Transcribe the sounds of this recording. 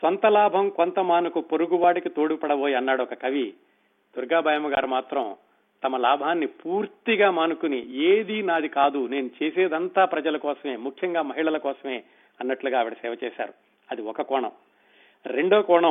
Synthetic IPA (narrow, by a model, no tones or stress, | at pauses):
sʋɐnt̪ɐlaːbʱɐmkont̪ɐmaːnukupoɾuɡuʋaːɽikit̪oːɽupɐɽɐʋoːjiɐnːaːɽuɔkɐkɐʋi | d̪̥uɾɡaːbʱɐːjɐmɐɡaːɾumaːt̪ɾɐm | t̪ɐmɐlaːbʱaːnːipuːɾt̪iɡaːmaːnukunieːd̪inaːd̪ikaːd̪une̞ːnut͡ʃeːseːd̪ɐnt̪aːpɾɐd͡ʒɐlɐkɔːsɐmeːmukʰjɐŋɡaːmɐɦiɭɐlɐkɔːsɐme̞ː | ɐnːɐʈluɡaːʋiɽɐsɛːʋɐt͡ʃɛːʃa̰ːɾu | ɐd̪iɔkɐkɔːɳɐ̰m | ɾe̞ɳɖoːkɔːɳɐm